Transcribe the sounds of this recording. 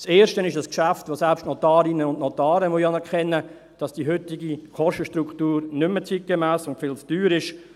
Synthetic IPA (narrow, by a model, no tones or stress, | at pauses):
seːɾʃtənɪʃdɑskʃæftʋosælpʃtnɔtɑːɾinəʊndnɔtɑːɾəmujɑnɛɾkʰɛnːə | d̥ɑsd̥iɦʏtɪɡikɔʃtəʃtruktuːɾnʏmːət͡sit̚ɡ̥emæːsʊntfɪlt͡sd̥yːɾɪʃ